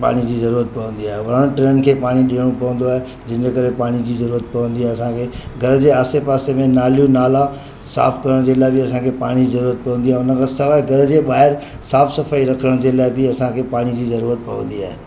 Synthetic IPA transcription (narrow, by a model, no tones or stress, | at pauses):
pa̰ːɽ̃id͡ʑiːzɐɾuːɾət̪̚pɐʋə̃n̆d̪iaːɦeʋɐə̃ɽ̃ʈɾẽːn̆kʰeːpaːɽ̃iɗiːəɽ̃ũpɐʋə̃n̆d̪oaːɦe | d͡ʑɐɪ̃d͡ʑekɐɾepaːɽ̃id͡ʑiːzɐɾuːɾət̪̚pɐʋə̃nd̪iaːeɐsãkʰeːɡʱɐɾd͡ʑeaːsepaːsemẽnaːlijũnaːla | sa̰ːfʰkɐɾəɽ̃d͡ʑeːlaːebɪɐsãkʰepaːɽ̃id͡ʑiːzɐɾuːɾət̪̚pɐʋə̃nd̪iaːɦeʊnəkʰãːsɐʋaːiɡʱɐɾd͡ʑeɓaːɦɪɾ | saːfʰsɐfaːiɾɐkʰəəɽ̃d͡ʑeːlaːɪbɪɐsãkʰepaːɽ̃id͡ʑiːzɐɾuːɾət̪̚pɐʋə̃nd̪iaːɦeː